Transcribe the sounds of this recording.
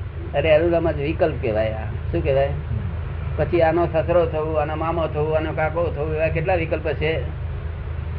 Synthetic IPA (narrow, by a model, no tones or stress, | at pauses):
əɾealũləməd͡ʒʋikəlp̚keʋaja̰ | ʃũkeʋaj | pət͡ʃʰianosəsɾot̪ʰəũanomamot̪ʰəũanokakot̪ʰəũeʋajkeʈ̬laʋikəlpət͡ʃʰe